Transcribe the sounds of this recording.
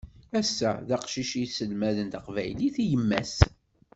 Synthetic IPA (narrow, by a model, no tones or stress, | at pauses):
æsːæ̰ðæqʃiʃisəlmæðənt̪əqvæ̰jliθijəmːæs